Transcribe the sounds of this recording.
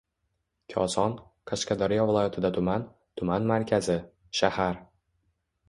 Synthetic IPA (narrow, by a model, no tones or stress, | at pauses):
kʲʰɒsɒn | kʰaʃkad̪ɒɾijavɪlˠɒjat̪ʰɪd̪at̪ʰʊman | t̪ʰʊmanmaɾkʲʰazɪ | ʃahaɾ